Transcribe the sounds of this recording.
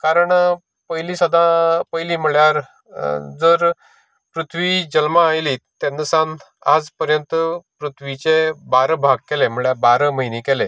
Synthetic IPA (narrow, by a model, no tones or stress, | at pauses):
kaɾəɳ | pəjlisəd̪ʱãpəjliːm̤əɭjaɾ | d͡zəɾ | pɾut̪ʰʋiːd͡ʑəlmaajlit̪ẽnːəsãn | a̰d͡zpəɾjənt̪əpɾut̪ʰʋit͡ɕebaɾəbʱaɡ̚kɛlem̤əɭjabaɾəməɦinikɛle